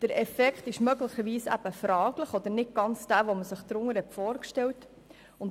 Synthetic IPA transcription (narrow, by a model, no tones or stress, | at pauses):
d̥əɾɛfɛkχt̪ɪʃmœɡləχəɾʋiːsæ̰b̥əfɾɑːɡləχɔd̪əɾnɪt̚ɡ̥ɑnt͡sd̥æːʋɔməsəχd̪ɾʊŋːəɾhɛtfɔːɾkʃtɛlt | ʊnt